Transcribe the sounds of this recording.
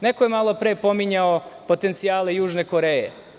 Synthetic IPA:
nekojemalˠo̞pɾeːpo̞miɲaopo̞t̪ent̪sijaːle̞juːʒneko̞ɾejḛ

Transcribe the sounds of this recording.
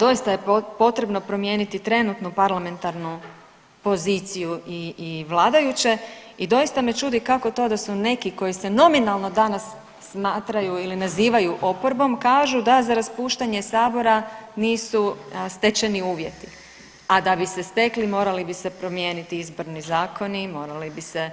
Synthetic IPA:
d̪o̞jist̪ajepo̞t̪ɾe̞bno̞pɾo̞mje̞ːnit̪it̪ɾe̞nut̪nupaɾlame̞nt̪aɾnu | po̞ziːt̪sijuiːʋlˠaːd̪ajut͡ɕe̞ | id̪o̞jist̪ame̞t͡ʃuːd̪ikako̞t̪o̞d̪asune̞kiko̞jise̞no̞minalˠno̞d̪anasː | maːt̪ɾajuilinaziːʋajuʔo̞po̞ɾbo̞mkaːʒud̪azaɾaspuːʃt̪aɲe̞saːbo̞ɾaniːsust̪et͡ʃeniuːʋje̞t̪i | ad̪abise̞st̪e̞klimo̞ːɾalibise̞pɾo̞mje̞ːnit̪iizbo̞ɾnizaːkonimo̞ːɾalibise̞

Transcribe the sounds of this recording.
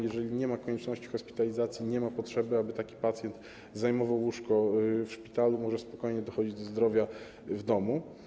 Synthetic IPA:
jɛʐɛlʲiɲɛmakɔɲɛt͡ʂnɔɕt͡ɕi̥xɔspʲi̥t̪alʲizat̪sʲjiɲɛmapɔtʂɛbɘabɘt̪akʲi̥pat̪sʲjɛnt̪ | zajmɔvawuʂkɔfʂpʲi̥t̪alumɔʐɛspɔkɔjɲɛd̪ɔxɔd͡ʑid͡ʑd̪ɔzd̪ɾɔvʲja | vd̪ɔmu

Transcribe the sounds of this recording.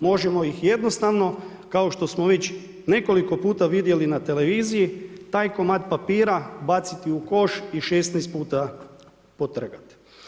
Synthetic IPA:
mo̞ʒemo̞ixje̞d̪no̞st̪aʋno̞ | kao̞ʃt̪o̞smoʋe̞t͡ɕ | ne̞ko̞liko̞puːt̪aʋid̪je̞linat̪e̞le̞ʋiːzijit̪aːjkomaːt̪papiːɾabat̪sit̪iuko̞ʃiʃest̪nɛjst̪̚puːt̪a | pot̪r̩ɡat̪

